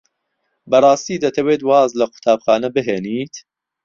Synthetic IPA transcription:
bɐɾˤɑːst̪iːd̪ɐt̪ʰɐweːt̪wɑːzlɐkʰʊ̥t̪ʰaːbxɑːnɐbɨɦeːniːt̪

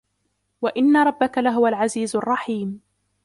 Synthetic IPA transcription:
waʔɪnːaɾˤɑbːakalaɦʊwalʕaziːzɑrˤːɑħiːm

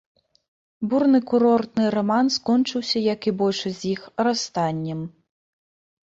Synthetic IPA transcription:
burnɨkuɾɔrt̪nɨɾɐmanskɔnt͡ʂɨwsʲɐjɐkibɔlʲʂɨzʲjixrast̪anʲːɛm

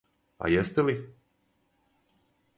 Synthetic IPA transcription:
a̰jɛst̪ɛli

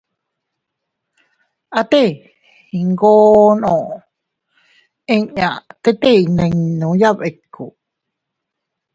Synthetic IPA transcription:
at̪e | iŋɡoːnõ | eɲat̪et̪einẽŋnũjaβekʰːu

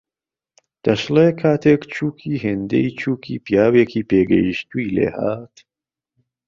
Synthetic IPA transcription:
d̪̥ɐʃleːkʰaːt̪ʰeːkt͡ʃʰuːkʰiːɦend̪ḛjt͡ʃʰuːkʰiːpijaːweːkiːpʰeːɡɐ̰jiʃt̪uilḛːha̰ːt̪

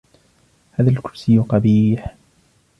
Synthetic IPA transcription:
haːðalkʊɾsɪjːʊqɑbiːħ

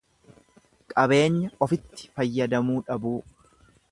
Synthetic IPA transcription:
kʼɐbe̞ːɲːɐɔfɪt̪ːɪ̥fɐjːɐd̪ɐmuːᶑɐbuː

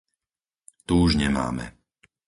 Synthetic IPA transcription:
t̪uuʒɲɛma̰ːmɛ̰

